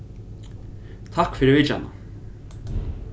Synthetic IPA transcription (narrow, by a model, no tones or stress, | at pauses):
t̪ʰakfɪɾɪɾvɪt͡ʃa̰na̰